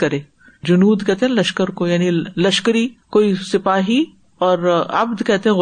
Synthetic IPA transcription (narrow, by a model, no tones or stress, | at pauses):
kɐɾẽː | d͡ʒʊnuːd̪kɛɦt̪eɦɛ̃lɐʃkəɾkojaːnilɐʃkəɾikoːisɪpaːɦi | ɔːɾɐ̰bd̪kɛɦt̪eɦɛ̃ɣ